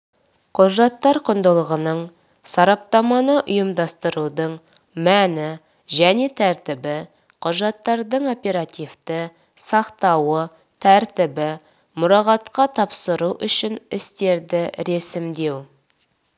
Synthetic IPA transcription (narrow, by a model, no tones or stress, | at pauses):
qʰʊʒɑt̪ːɑɾqʰʊnd̪əlˠəʁənəɴ | sɑɾɑp̚t̪ɑmɑnəʔʊjəmd̪ɑst̪əɾud̪əɴ | mænɪ | ʒæne̞t̪ʰæɾt̪ɪbɪ | qʰʊʒɑt̪ːɑɾd̪əɴo̞pe̞ɾat̪ijft̪ə | sɑqt̪ɑwə | t̪ʰæɾt̪ɪbɪ | mʊɾɑʁɑt̪qɑt̪ʰɑpsəɾuwʔʏʃɪnɪst̪e̞ɾd̪ɪɾe̞sɪmd̪e̞w